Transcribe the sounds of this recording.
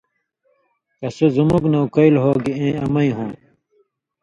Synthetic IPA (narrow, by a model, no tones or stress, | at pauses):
kɐsuzumuknɐwkɐilɦoːɡiẽːɐmɐĩɦõː